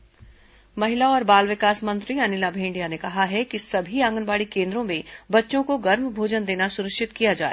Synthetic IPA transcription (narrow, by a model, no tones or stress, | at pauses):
mɐɦɪlaɔːɾbaːlʋɪkaːsmɐ̃nt̪ɾiɐnɪlabʱẽːɳɖijanekɐɦaɦɛkisɐbʱiãːŋɡənbaːɽikẽːnd̪ɾõmẽbɐtːʃõkoɡɐɾmbʱoːd͡ʒənd̪eːnasʊɾəkʃɪt̪kijad͡ʒa̰ːe